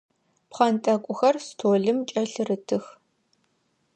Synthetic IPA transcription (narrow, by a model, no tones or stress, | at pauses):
pχɐntʼɐkʷʼʊxɐrstʰoːɮɨmt͡ʃʼɐɬɨrɨtʰɨx